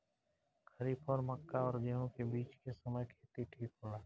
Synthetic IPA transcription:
kʰəɾiːpʰɔːɾməkːaɔːɾd͡ʒeːɦõkebiːt͡ʃkesəməjkʰeːt̪iʈʰiːkɦõːlaː

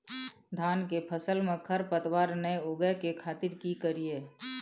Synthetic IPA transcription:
d̪ʱaːnkepʰəsəlmẽkʰəɾpət̪waːɾneoːɡəkekʰaːt̪ɪɾkikəɾieː

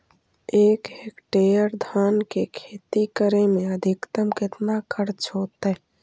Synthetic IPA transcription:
eːkɦekʈejəɾd̪ʱaːnkekʰeːt̪ikəɾemẽəd̪ʱɪkt̪əmkɪt̪nakəɾt͡ʃʰoːt̪ɛ

